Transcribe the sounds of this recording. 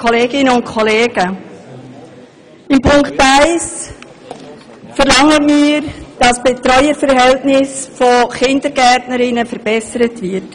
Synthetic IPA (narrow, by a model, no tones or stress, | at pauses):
kʰɔleːɡɪnəʊntkʰɔleːɡə | ɪmpʰʊŋktaɪs | fəɾlɑŋːətmiːɾd̥ɑsb̥etɾœʏəɾfəɾɦɛltnɪsfoχɪndəɾɡɛtnəɾɪnəfəɾb̥ɛsəɾətvɪɾt